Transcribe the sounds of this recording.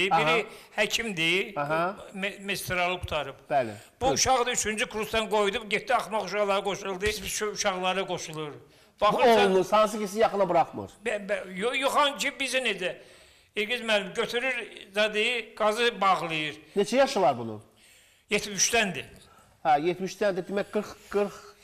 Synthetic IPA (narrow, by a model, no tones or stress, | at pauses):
biɾihæcʰimd̪iɦ | mest̪ɾɑlˠɯkʰu̥t̪ʰɑɾɯb̥bælḛb̥uuʃɑɣd̪ɑyt͡ʃʰynd͡ʒykʰɾust̪ɑnɡo̞jd̪ubɟep̚d̪iɑχmɑχuʃɑɣlˠɑɾɯɡo̞ʃulˠd̪ɯt͡ʃøuʃɑɣlˠɑɾɯɡo̞ʃulˠuɾ | b̥ɑɣonusɑns̬ɯcʰis̬ijɑχɯnɑbɯɾɑχmɯ̰ɾbjojoχɑncʰibizined̪æ | iɾɡizmælimɟøt̪ʰyɾyɾzɑd̪ijiɡ̥ɑzɯbɑʁlˠɯjiɾnet͡ʃʰɛjɑʃɯlˠɑɾbunṵ | jet̪ʰmiʃd̪ænd̪i | hæjet̪ʰmiʃt̪ænd̪id̪imæcɡɯɾχɡ̥ɯɾχ